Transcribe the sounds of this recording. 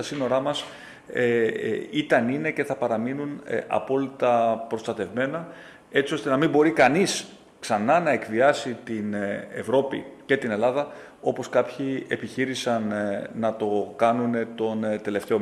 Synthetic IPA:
ɐsino̞ɾɐmɐs | eit̪ɐnine̞ce̞θɐpɐɾɐminunʔɐ̰po̞lit̪ɐpɾo̞st̪ɐt̪e̞vme̞nɐ | e̞t͡sio̞st̪e̞nɐmimbo̞ɾikɐnis | ksɐnɐnɐe̞kviɐsit̪ine̞vɾo̞pḭce̞t̪ine̞lɐðɐ | o̞po̞skɐpçie̞̰piçiɾisɐnːɐt̪o̞kɐnune̞t̪o̞nt̪e̞le̞ft̪eo

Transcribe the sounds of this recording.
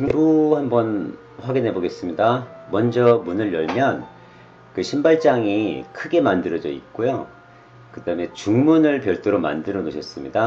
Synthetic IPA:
ebuhambʌn | ɸwaɡinɦe̞boɡe̞s͈ɯmɲidamʌnd͡ʑʌmunɯɭjʌɭmjʌn | kɯɕʰimbaɭt͡ɕ͈aŋikʰɯɡe̞mandɯɾʌd͡ʑʌ̰ḭk͈ojo | kɯdaɯme̞t͡ɕuŋmunɯɭpjʌɭt͈oɾoma̰ndɯɾʌnoɕʰʌs͈ɯmɲida

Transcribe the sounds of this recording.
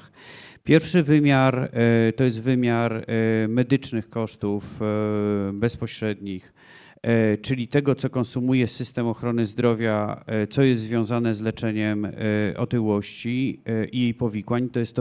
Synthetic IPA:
pʲjɛɾfʂɘvɘmʲjaɾt̪ɔjɛs̬t̪vɘmʲjaɾmɛd̪ɘt͡ʂnɘxkɔʂt̪uf | bɛspɔɕɾɛd̪ɲix | t͡ʂɘlʲit̪ɛɡɔt̪sɔkɔnsumujɛsɘst̪ɛmɔxɾɔn̪ɘzd̪ɾɔvʲjat̪sɔjɛst̪zvʲjɔ̃w̃zanɛzlɛt͡ʂɛɲɛmɔ̰t̪ɘwɔɕt͡ɕiʔijejpɔvʲikwaɲt̪ɔjɛst̪ː

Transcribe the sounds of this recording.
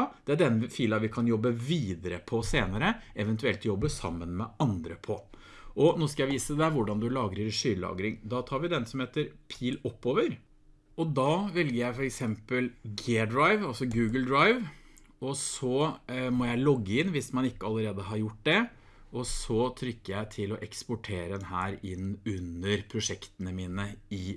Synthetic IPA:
d̪̥ɛæɖɛnːfiːlɑʋɪkʰɑnjɔbːəʋiːd̪əɾə̰pʰɔseːnəɾəɛʋɛnt̪ʉɛlt̪jɔbːəsɑ̰mːənmɛɑnd̪ɾəpʰɔ | ʔɔnoːskɑjæɪʋiːsəd̪ɛʋʊɖɑnd̪ʉlɑːɡɾəɾʂyːɾlɑ̰ːɡɾɪŋd̪ɑt̪ʰɑːɾʋɪd̪ɛnsɔmheːt̪əɾpʰiːlɔpːoːʋəɾ | ɔd̪ɑːʋɛlɡəɾjæɪfɔɾɛksɛmpəlɡeːɖ̪ɾaɪʋɑlsɔɡʉːɡəld̪ɾaɪʋ | ɔsɔmɔjæɪlɔɡːəɪnːʋɪsmɑnɪkːəɑlːəɾeːd̪əɦɑɾjʊʈ̚ːd̪ɛ | ɔsɔt̪ʰɾʏkːəjæɪt̪ʰɪlɔʔɛkspʊʈʰeːɾəd̪ɛnhæːɾɪnːʉnːəɾpʰɾʊʂɛkt̪ənəmiːnəɪ

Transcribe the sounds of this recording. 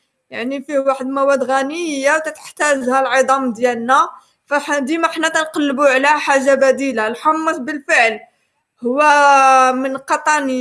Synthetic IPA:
jaʕnifiwaħəd̪mæwæd̪ɣænəəjːawt̪æt̪ə̥ħt̪æʒhælʕəd̪ˤɑmd̪jælnæ | fæħd̪imæħnæt̪ænqɑlːbuʕlæħaʒːabæd̪ilalħɑmːət̪bəlfəʕl | hʊwːæmənqɑt̪ˤɑnə

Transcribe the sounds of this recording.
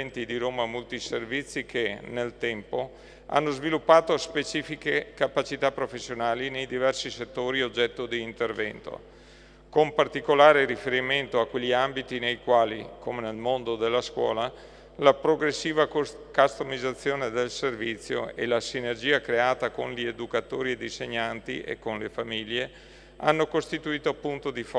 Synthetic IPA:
ɛnt̪id̪iɾoːmamolt̪iservit̪sːikenelt̪ɛmpo | a̰nːozvilupːaːt̪ospet͡ʃiːfikekapat͡ʃit̪apːɾofesːjonaːlinejd̪ivɛrsiset̪ːoːɾiod͡ʒːɛt̪ːod̪iːnt̪ervɛnt̪o̰ | kompart̪ikolaːɾeɾifeɾiment̪oakːweʎːiambit̪inejkwaːlḭkomenelmond̪od̪elːaskwɔ̰ːla | lapɾoɡɾesːiːva | kast̪omizat̪sːjoːned̪elservit̪sːjo̰ḛlasinerd͡ʒiːakɾeaːt̪akonʎied̪ukat̪oːɾied̪iseɲːant̪ḭʔḛkːonlefamiʎːe | a̰nːokost̪it̪uiːt̪oapːunt̪od̪if

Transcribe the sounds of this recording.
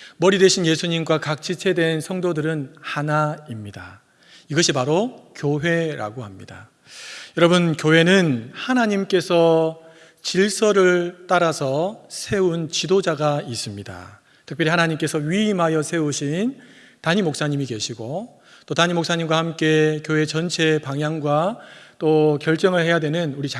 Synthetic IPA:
mʌɾidwe̞ɕʰinje̞sʰuɲimɡwakak̚t͡ɕʰit͡ɕʰe̞dwe̞nsʰʌŋdodɯɾɯnhanaimɲida̰ | iɡʌɕʰipaɾokjoɦe̞ɾa̰ɡohamɲḭda̰ | jʌɾʌbunkjoɦe̞nɯnhanaɲimk͈e̞sʰʌ | t͡ɕiɭs͈ʰʌɾɯɭt͈aɾasʰʌsʰe̞unt͡ɕidod͡ʑaɡais͈ɯmɲida̰ | tʰɯkp͈jʌɾihanaɲimk͈e̞sʰʌɥimajʌsʰe̞uɕʰin | taɲimok̚s͈aɲimike̞ɕʰiɡo | t͈otaɲimok̚s͈aɲimɡwahamk͈e̞kjoɦe̞t͡ɕʌnt͡ɕʰe̞paŋjaŋɡwat͈okjʌɭt͡ɕ͈ʌŋɯɭhe̞jadwe̞nɯnuɾit͡ɕa

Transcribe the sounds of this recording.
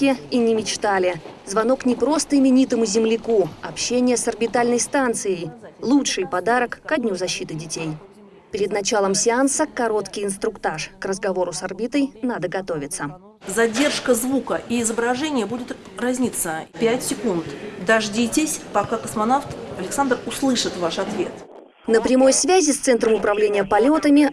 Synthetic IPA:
kʲɪinʲɪmʲɪt͡ɕt̪alʲɪzvɐno̞knʲɪpɾo̞st̪əɪmʲɪnʲit̪əmʊzʲɪmlʲɪkuɐpɕːenʲɪjəsɐrbʲɪt̪alʲnəjst̪ant̪sɨjəjlˠutʂɨjpɐd̪aɾəkːɐdʲnʲuzɐɕːit̪ɨdʲɪtʲej | pʲɪɾʲɪd̪nɐt͡ɕalˠəmsʲɪansəkːɐɾo̞t̪kʲɪjɪnst̪ɾʊkt̪aʂkrəzɡɐvo̞ɾʊsɐrbʲit̪əjnad̪əɡɐt̪o̞vʲɪt̪sə | zɐdʲe̞rʂkəzvukəʔiɪzəbɾɐʐɛnʲɪjəbudʲɪt̪razʲnʲit̪səpʲætʲsʲɪkunt̪d̪ɐʐdʲitʲɪsʲpɐkakəsmɐnaft̪ɐlʲɪksand̪rʊslˠɨʂɨt̪vaʂɐt̪vʲe̞̰t̪ | nəpɾʲɪmo̞jsvʲæzʲɪst̪sɛnt̪ɾəmʊpɾɐvlʲenʲɪjəpɐlʲo̞t̪əmʲɪ

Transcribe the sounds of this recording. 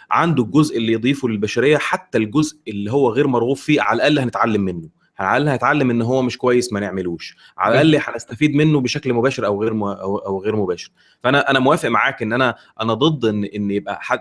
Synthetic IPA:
ʕand̪olɡozʔelːijed̪ˤiːfulelbæʃæɾejːæħat̪ːælɡozʔelːiɦowːæɣeːɾmɑɾˤɣuːffiːʕa̰læʔælːihænet̪ʕalːæmːenːo | hæʕælːhænet̪ʕalːemʔenːɦowːæmeʃkowæjːesmæneʕmeluːʃ | ʕa̰læʔælːiħænæst̪æfiːd̪menːobeʃæklmobæːʃeɾʔæwɣeːɾæʔæwɣeːɾmobæːʃe̥ɾ | fæʔænæʔænæmowæːfeʔmaʕaːkʔenːʔænæ | ʔænæd̪ˤɨd̪ˤːʔenːʔenːjeb̚ʔæ̰ħa

